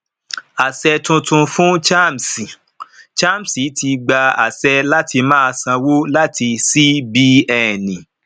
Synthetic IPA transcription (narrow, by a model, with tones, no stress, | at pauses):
a˨sɛ˧tũ˧tũ˧fũ˦t͡ʃa˦˨m˨si˨ | t͡ʃa˦˨m̩˨si˨˦ti˧ɡ͡ba˧a̰˨sɛ˧la˦tʰi˧mãː˦˧sã˧wo˦la˦ti˧si˦bi˦ɛ˨nĩ˨